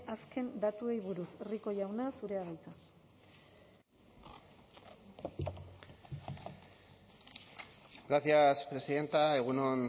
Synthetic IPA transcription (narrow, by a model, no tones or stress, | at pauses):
aske̞nd̪at̪ue̞jβuɾusriko̞ʝawnasuɾe̞aɣajt͡sa | ɡɾaθiaspɾe̞siðe̞nt̪ae̞ɣ̞unon